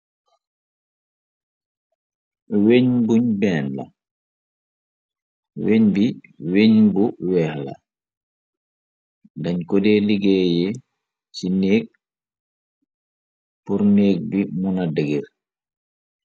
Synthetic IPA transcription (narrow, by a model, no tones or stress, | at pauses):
weɲbuɲbɛnla̰ | weɲbi | weɲbuwɛːhla̰ | daɲkɔdɛːliɡɛːjɛ | sineːk̚ | puɾneːɡ̚bimunadeɡiɾ